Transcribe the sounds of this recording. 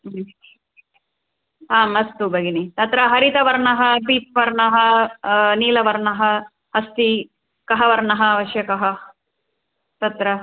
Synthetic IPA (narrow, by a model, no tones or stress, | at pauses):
ɦaːmɐst̪ubʱɐɡinit̪ɐt̪ɾɐɦɐɾit̪ɐʋɐɾɳɐɦɐ̆biːp̚ʋɐɾɳɐɦɐ | niːlɐʋɐɾɳɐɦɐ̆ | ɦɐst̪i | kɐɦɐʋɐɾɳɐɦɐːʋɐʃjɐkɐɦɐ | t̪ɐt̪ɾɐ